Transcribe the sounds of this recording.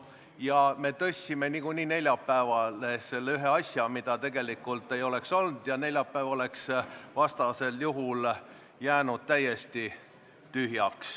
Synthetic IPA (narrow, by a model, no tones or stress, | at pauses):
jɑme̞t̪ɤsʲːime̞nikuniːne̞lʲjɑpːæevɑlese̞lːeyɦe̞ɑsʲjɑmid̪̥ɑt̪e̞ɡ̥e̞likːˑult̪ːˑe̞jo̞le̞kso̞ld̪̥jɑne̞lʲjɑpːæːvɑo̞le̞ksvɑst̪ɑse̞ljuɦul | jæːnud̪̥̚t̪æje̞st̪i | t̪yɦjɑks